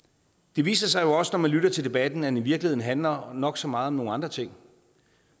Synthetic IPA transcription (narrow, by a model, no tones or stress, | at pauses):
d̥e̝ʋḭːsɐsɑ̈ɪjo̝ɒ̽sənɒmænlyɾɐt͡sʰe̝ld̥e̝b̥æd̥n̩ænʋiɐɡ̥lihe̝ð̰ˠn̩ɦænlɐnɒ̽ɡ̥sɒ̽mɑ̈ːð̞̩ˠɒ̽mno̝ːŋ̩nɑ̈nd̥ʁɐt͡sʰe̝ŋ̰